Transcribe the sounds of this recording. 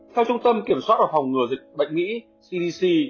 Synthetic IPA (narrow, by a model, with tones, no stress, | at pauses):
t̪ʰɛ˧wt͡ɕʊ˧ŋ͡mt̪ə˧mki˧˩əmswa˦˥t̚vaː˨˩fa˨˩wŋ͡mŋɨ˨˩əzï˨˩k̟̚ɓə̰˧˨jŋ̟mḭ˧˥ | si˧ɗi˧si˧